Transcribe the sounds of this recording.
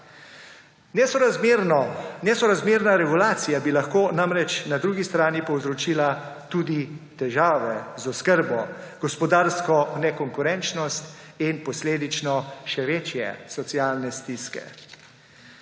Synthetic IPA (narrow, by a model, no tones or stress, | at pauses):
nɛsɔɾɾnɔnɛsɔɾazmeːɾnaɾɛɡulaːt̪sijabilaxkoːnamɾɛt͡ʃnad̪ɾuːɡist̪ɾaːnipɔwzɾɔt͡ʃiːla | t̪uːd̪it̪ɛʒaːʋɛzɔskəɾbɔɡ̥ɔspɔd̪aːɾskɔnɛkɔŋkuɾɛnt͡ʃnɔst̪ | inpɔsleːd̪it͡ʃnɔʃɛʋeːt͡ʃjɛ̰sɔt̪siaːlnɛst̪iskɛ̰